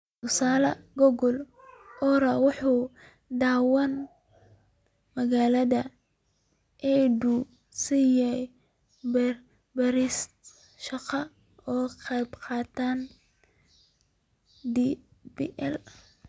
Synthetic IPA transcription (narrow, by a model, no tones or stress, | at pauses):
t̪ʰʊsaːlɐɡɔɣɔl | ʔɔɾawʊħuː | d̪aːwɐn | mɐɣaːlɐðɐ | ʔɛdu | sijɛj | b | bɐɾis | ʃɑqɑ | ɔːqɛjbqɑːt̪ʰaːn | d̪ibiʔɛl